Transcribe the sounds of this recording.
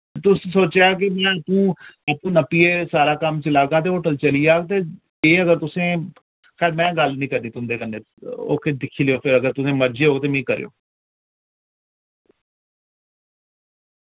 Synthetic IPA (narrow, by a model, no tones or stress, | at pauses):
t̪ʊssoːt͡ʃeaːkemɛ̃ːəpũːapũːnəpieːsaːɾaːkəmt͡ʃəlaːɡaːt̪eːoːʈəlt͡ʃəliaːɡt̪̬eː | eːəɡəɾt̪ʊsẽː | xɛːɾmɛ̃ːɡəlnĩːkəɾniːt̪ʊnd̪eːkənːeː | o̰ːked̪ɪkʰiːlejoːpʰɪɾəɡəɾt̪ʊsẽːməɾd͡ʒeɦoːɡt̪̬eːmɛ̃iːkəɾḛjo̰ː